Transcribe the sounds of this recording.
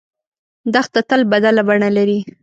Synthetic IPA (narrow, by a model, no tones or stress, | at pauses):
d̪axt̪at̪əlbad̪alabaɳalaɾi